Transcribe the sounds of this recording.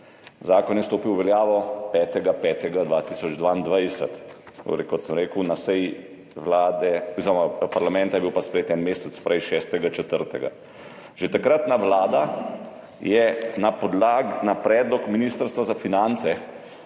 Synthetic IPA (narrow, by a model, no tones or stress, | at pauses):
zaːkɔnjɛst̪oːpiwʋɛljaːʋɔpɛːt̪ɛɡapɛːt̪ɛɡad̪ʋaːt̪iːsɔd͡ʒd̪ʋaind̪ʋajsə̰t̪o̰ɾɛ̰kɔt̪səmɾeːkunasɛj | ʋlaːd̪ɛuzɾmapaɾlamɛ̃nt̪ajɛbiwpaspɾɛjeːt̪ɛnmeːsɛt̪spɾʔɛjʃɛːst̪ɛɡat͡ʃɛt̪əɾt̪ɛɡa̰ | ʒ̥et̪akɾat̪naʋlaːd̪a | jɛnapɔd̪lanapɾɛːd̪lɔkminist̪əɾst̪ʋazafinant̪sɛ